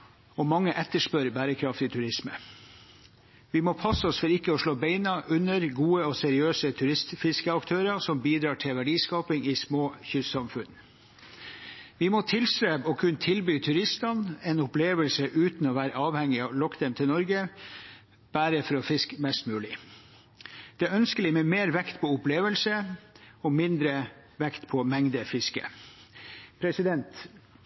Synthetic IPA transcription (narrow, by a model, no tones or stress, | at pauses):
ɔmɑŋːəʔɛt̪ːəʂpœɾbæːɾəkʰɾɑft̪ɪt̪ʰʉɾɪsmə | ʋɪmoːpʰɑsɔsfɔɾɪkːəɔʂɭoːbeɪnɑʔʉnːəɾɡuːəɔsɛɾɪøːsət̪ʰʉɾɪst̪fɪskəɑkt̪ʰøːɾɑsɔmbiːd̪ɾɑːʈʰɪlʋæɖiːskɑːpɪŋɪsmoːçʏssɑmfʉn | ʋɪmɔt̪ʰɪlst̪ɾeːbɔkʰʉnːt̪ʰɪlbyːt̪ʰʉɾɪst̪ɑnɛnʊpleːʋəlsəʔʉːt̪n̩ɔʋæːɾəɑːʋhɛŋːɪɑlɔkd̪ɛmt̪ʰɪlnɔɾɡə | b̥æːɾəfɔɾɔfɪskmɛst̪mʉːlɪ | d̪̥ɛæœnskəlɪmeːmeːɾʋɛkt̪pʰɔʊpleːʋəlsəɔmɪnd̪ɾə | ʋɛkt̪pʰɔmɛŋd̪əfɪskə̰ | pʰɾɛsɪd̪ɛnt̪